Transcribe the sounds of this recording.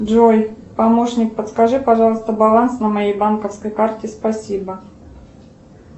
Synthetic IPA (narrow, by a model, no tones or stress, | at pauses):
dʐojʲpɐmoʂnʲɪk̚pət̪skɐʐɨpɐʐɑlˠəst̪əbɐlˠansnəmɐjejbankəfskəjkartʲɪspɐsʲibə